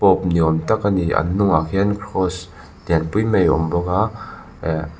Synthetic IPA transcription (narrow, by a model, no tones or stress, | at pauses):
pɔp̚niɔmtakaniʔa̰nːʊŋakʰinkʰɾɔs | dinpujmejɔ̰mbɔka